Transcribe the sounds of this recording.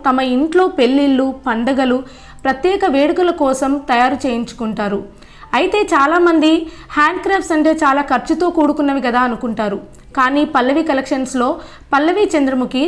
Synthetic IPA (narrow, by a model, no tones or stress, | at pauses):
t̪ɐmɐiɳʈlo̞ːpe̞lːilːupɐɳɖɐɡɐlu | pɾɐt̪jɛːkɐʋeːɽukɐlɐkɔːsɐmt̪ɐjaːɾut͡ʃe̞ːjiɲt͡ʃu̥kuɳʈaːɾu | ɐjit̪e̞ːt͡ʃaːlaːmɐnd̪i | haːɳɖkɾaːp̚ʈsɐɳʈe̞ːt͡ʃaːlaːkʰɐɾt͡ʃut̪o̞ːkuːɽukunːɐʋikɐd̪aːɐnukuɳʈaːɾu | kaːniːpɐlːɐʋikɐlɐkʂɐnslo̞ː | pɐlːɐʋit͡ʃɐnd̪ɾɐmuki